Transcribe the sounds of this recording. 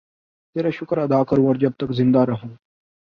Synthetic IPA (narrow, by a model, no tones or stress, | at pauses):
t̪eːɾaʃʊkɾɐd̪aːkɐɾũːəɾd͡ʒɐb̚t̪ɐkzɪ̃nd̪aɾɐɦũː